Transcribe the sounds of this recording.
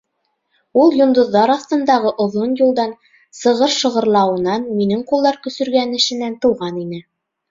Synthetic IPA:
ulˠjŏnd̪ŏðːɑɾɑθt̪ɤ̆nd̪ɑʁɤʔŏðonjulˠd̪ɑn | sɤ̆ʁɤɾʃɤ̆ʁɤ̆ɾlˠɑwɤ̆nɑnminɘŋqulˠːɑɾkɵ̆sɵ̆ɾɡænɘ̆ʃɘ̆nænt̪ɤ̆wʁɑninɘ

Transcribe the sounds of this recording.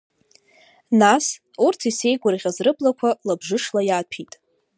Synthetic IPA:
nas | urtʰise̞jɡʷarʁʲazrɨbʼlakʷʰalabʐɨʂlajaːtʰitʼ

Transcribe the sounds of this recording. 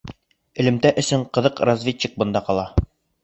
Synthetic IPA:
ɘ̆lɘ̆mt̪æʔɵ̆sɵɴqɤ̆ðɤqrazvʲetʲːik̚bɤ̆nd̪ɑqɒlˠɑ

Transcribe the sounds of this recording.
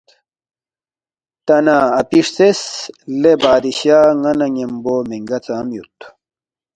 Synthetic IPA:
t̪ɐnaːɐpiʂseslebaːd̪iɕaːŋɐnɐŋemboːmiŋɡɐt͡saːmjṵt̪

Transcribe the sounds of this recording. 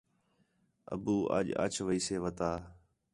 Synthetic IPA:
ə̰buːʔə̰ʄə̰t͡ʃʰʋəiːseːʋət̪aː

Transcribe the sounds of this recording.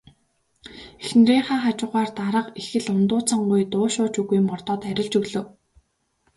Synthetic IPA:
exn̆reːɴχaːχat͡ɕʊːʁaːrt̪aɾə̆qexɘ̆ɮʊnt̪ʊːt͡sə̆ŋɢujt̪ʊːʃʊːt͡ɕuɣuj̆mɢɔrt̪ɔːt̪æɾʲɪ̆ɮt͡ɕɵɣɮɵ̆w

